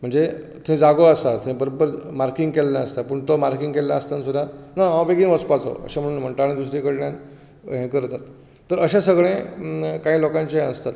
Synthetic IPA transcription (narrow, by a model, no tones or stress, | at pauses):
m̤əɳd͡ze | t̪ʰẽd͡zaɡoəst̪at̪ʰẽbəɾopəɾmaɾkiŋɡkellaəst̪apəɳt̪omaɾkĩŋɡkelːaəst̪ansud̪jat̪naãbeɡiːnʋəspat͡so̰ə̰ɕam̤əɽuːnm̤əɳʈaɭ̃ẽd̪usɾikəɽɳjan | ɦẽkəɾt̪at̪ː | əɾəɕãsəɡɭẽkaɦĩːlokãɲt͡ɕeɦəst̪at̪